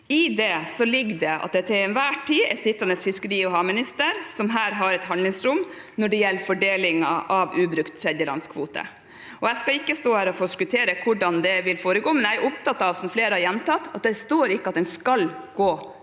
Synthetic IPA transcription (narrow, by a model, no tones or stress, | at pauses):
ɪd̪ɛsɔlɪɡːd̪ɛɑ̰t̪̚d̪ɛt̪ʰɪɛnʋæːʈʰiːɛ̰sɪt̪ːɑnəsfɪskəɾiːɔɦɑːmɪnɪst̪əɾsɔmɦæːɾɦɑɾɛt̪hɑnd̪lɪŋsɾʊm | nɔɖɛjɛlːfɔɖeːlɪŋɑʔɑʋʉːbɾʉkt̪ʰːɾɛd̪jəlɑ̰nskʰʋṵːt̪ə̰ | ɔæskɑɪkːəst̪oːæːɾɔfoːskʉt̪ʰeːɾəkʰʊɖɑnd̪ɛʋɪlfoːɾəɡoːmɛnæɪæɾʊpt̪ɑt̪ːɑʋsɔmfleːɾəhɑɾjɛnt̪ɑt̪ːɑt̪̚d̪ɛst̪oːɾɪkːəɑt̪d̪ɛnskɑlɡ̥oː